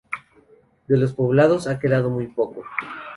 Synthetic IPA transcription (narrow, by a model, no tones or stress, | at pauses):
d̪e̞lo̞s̬po̞βlað̞o̞sake̞ðaðo̞mujpo̞ko